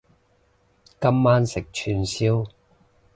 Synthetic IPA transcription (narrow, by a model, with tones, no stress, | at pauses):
kɐ˥mːaː˥nsɪ˨k̚t͡ʃʰyː˧nsiː˥w